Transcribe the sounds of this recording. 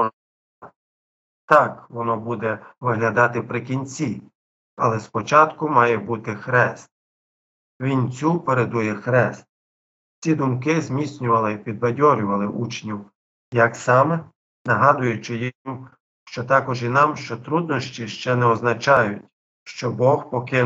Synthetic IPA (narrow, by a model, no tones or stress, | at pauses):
t̪ɑkʋɔnɔbud̪ɛʋɪɦlʲɐd̪ɑt̪ɪpɾɪk̬ʲinʲt͡sʲi | ɐ̰lˠɛspɔt͡ʃɑt̪kʊmɑjɛbut̪ɪxɾɛst̪̚ | ʋʲint͡sʲupeɾed̪ujɛxɾɛst̪̚ | t͡sʲid̪ʊmk̬ɪzmʲit͡sʲnʲʊʋɐlˠɪpʲid̪ʋɐdʲɔɾʲʊʋɐlˠɪʔut͡ʃnʲiw | jɐksɑmɛ | nɐɦɑd̪ʊjʊt͡ʃɪji | ʃt͡ʃɔt̪ɑkɔʒinɑmʃt͡ʃɔt̪ɾud̪nɔʃt͡ʃʲiʃt͡ʃɛnɛɔznɐt͡ʃɑjʊtʲ | ʃt͡ʃɔbɔxpɔkɪ